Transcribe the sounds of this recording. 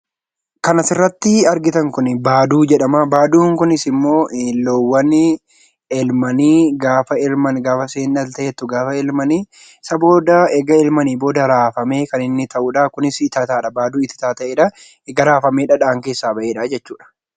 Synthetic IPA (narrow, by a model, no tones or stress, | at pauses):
kɐnɐsɪrːɐt̪ːɪɐɾɡɪt̪ɐŋkʊnɪbaːd̪uːd͡ʒɛᶑɐmabaːd̪uːŋkʊnɪsɪmːo̞ːʔlɔwːɐn | ɛlmɐniːɡaːfɐɛlmɐnɡaːfɐseːnːɐlt̪ɐʔet̪ːʊɡaːfɐɛlmɐniː | sɐbo̞ːd̪ɐɛɡɐɛlmɐniːbo̞ːd̪ɐɾaːfɐme̞ːkɐnɪnːɪt̪ʰɐʔuᶑɐkʊnɪst̪aːt̪aːᶑɐbaːd̪uːɪt̪ːɪ̥t̪aːt̪ɐʔeːᶑɐ | ɛɡɐɾaːfɐmeːᶑɐᶑaːŋke̞ːsːaːbɐʔeːᶑɐd͡ʒɛt͡ʃːuːᶑɐ̥